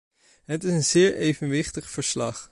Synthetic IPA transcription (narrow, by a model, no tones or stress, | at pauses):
ɦətɪsənzɪːɹʔejvənʋɪχtəχfəɹslɑχ